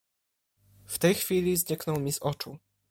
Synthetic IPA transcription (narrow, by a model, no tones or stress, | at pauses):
ft̪ɛjxfʲilʲizɲɛknɔwmʲizɔt͡ʂu